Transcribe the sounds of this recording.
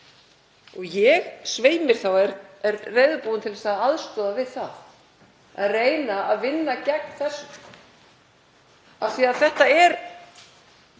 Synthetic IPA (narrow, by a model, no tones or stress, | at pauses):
ɔɣjɛɣsveːjmɪɾ̥θawɛɾɛɾreːjðʏpuːwʏnt̪ʰɪlɛsaðaðst̪ɔːðavɪðθað | a̰ðreːjnaaðvɪnːacɛk̚n̥θɛs | avθiaðθɛht̪aɛɾ